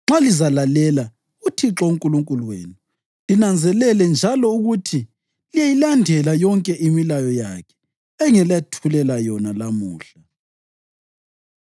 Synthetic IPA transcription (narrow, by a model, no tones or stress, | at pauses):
ŋ͡ǁalizalalɛla | utʰiǁouŋkʼuluŋkʼuluwḛːnu | linand͡zʱɛlɛlɛnd͡ʒʱalɔuɣutʰi | lijajilandʱɛlajɔŋkʼɛʔimilajɔja̰kʰɛ̥ | ɛŋɛlatʰulɛlajɔnalamuːɬa